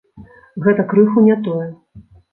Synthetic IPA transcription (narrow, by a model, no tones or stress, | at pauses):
ɣɛt̪ɐkɾɨxunʲɛt̪ɔjɛ